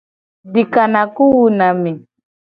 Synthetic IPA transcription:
di˨ka˨na˨ku˦wu˨na˨mi˨

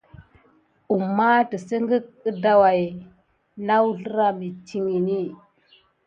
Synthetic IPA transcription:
u˨mːa˦tə˨sə˦ŋɡə˦k̚ə˦da˨wa˨j | na˦wu˦ɬə˦ɾa˦mi˨t͡ʃi˨ŋi˨ni˦

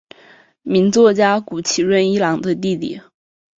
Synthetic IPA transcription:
mi˧˥ŋt͡swɔ˥˩t͡ɕja˥ku˨˩t͡ɕʰi˨˩ɻwə˥˩ni˥lɑ˧˥ŋd̪ə˧t̪i˥˧t̪ḭ˥˩

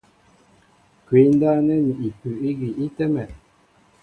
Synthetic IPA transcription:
kwi˨˦n˦da˦nɛ˦ni˨i˨pʉ˨i˦ɡi˨i˦tɛ˦mɛ˨

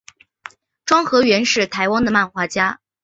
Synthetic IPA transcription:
ʈ͡ʂwɑ˥ŋxɤ˧˥ɥɛ˧˥nʂɻ̩˥˩t̪ʰa˧˥ɪwɑ˥ŋd̪ə˨ma˥˩nxwa˧˥t͡ɕja˥

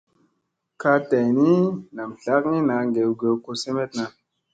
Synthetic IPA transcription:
ka˧ta˨jni˦na˨mɬa˦kni˦na˨ŋɡe˨wɡe˨wko˧se˦me˦tna˧

